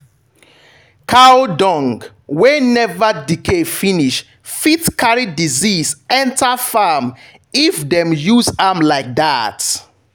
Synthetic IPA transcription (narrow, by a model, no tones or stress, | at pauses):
kʰaodɔ̃ŋɡ | wenɛvədikefiniʃ | fitkʰaɹidizizɛ̃ntafam | ifdɛ̃mjuzamlaɪk̚dat